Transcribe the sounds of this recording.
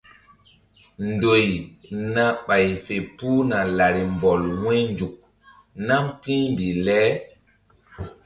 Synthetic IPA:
ndo˨jna˦ɓa˨jfe˨pu˦na˨la˨ɾi˨mbɔ˨lwɛ̃˦jnd͡ʒu˨k̚ | na˦mtĩ˦mbi˨lɛ˦

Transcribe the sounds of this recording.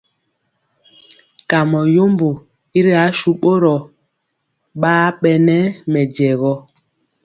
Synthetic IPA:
ka˨mɔ˨jo˦mbo˨ | i˦ɾi˦a˨˦ʃu˦ɓo˦ɾɔ˨ | ɓaː˦ɓɛ˨nɛ˦mɛ˨d͡ʒɛ˨ɣɔ˦

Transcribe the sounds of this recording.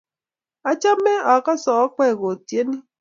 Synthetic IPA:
a˨t͡ʃa˦me˦a˨ka˦sɔ˨˦k͡pɛ˦˨ɣo˨tje˦ni˦

